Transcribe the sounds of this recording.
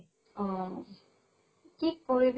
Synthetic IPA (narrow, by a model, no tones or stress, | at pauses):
ɔ̃ | tikːoɹib